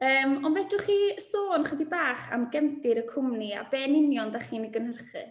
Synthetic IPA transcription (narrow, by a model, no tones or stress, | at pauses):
əːmɔnbɛdrʊχiːəsoːnχədibaːχa̰mɡɛntɪɾəkʰʊmnia̰bɛːnɪnjɔndaχiːniɡənhərχɨ̰